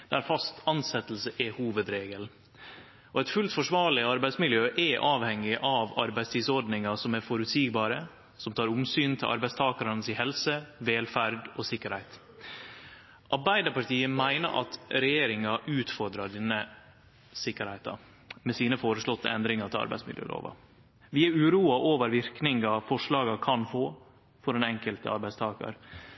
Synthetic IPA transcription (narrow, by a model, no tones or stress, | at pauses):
d̪̥ɛæːɾfɑst̪ɑnsɛt̪l̩səʔɛhuːʋəd̪ɾeːɡəl | ʔɔɛt̪fʉlt̪fɔʂʋɑːɭɪɑɾbæɪsmɪljøːʔɛʔɑːʋhɛŋːɪʔɑʋɑ̰ɾbæɪst̪ʰiːsɔɾɖnɪŋɑsɔmæfɔɾʉt̪siːɡbɑːɾə | sɔmt̪ʰɑːɾʊmsyːnt̪ʰɪlʔɑ̰ɾbæɪst̪ʰɑːkɑɾəɑnəsɪhɛlsəʋeːlfæɾd̪ɔsɪkːəɾhæɪt̪ | ʔɑɾbæɪd̪əɾpɑʈiːəmæɪnə̰ɾʔɑ̰t̪ɾɛjeːɾɪŋɑʔʉːt̪fɔɾd̪ɾɑɖɛnə | sɪkːəɾheɪt̪ɑ̰ | mɛsiːnəfoːɾəʂɭɔt̪ːə̰ɛnd̪ɾɪŋɑt̪ʰɪlɑ̰ɾbæ̰ɪsmɪ̰ljø̰ːlʔo̰ːʋɑ̰ | ʋɪæɾʉːɾuːɑʔoːʋəɾʋɪɾknɪŋɡɑfɔʂɭɑːɡɑkʰɑnfoː | fɔɾɑnɛŋkəlt̪ə̰ɑ̰ɾbæɪst̪ʰɑːkə̰ɾ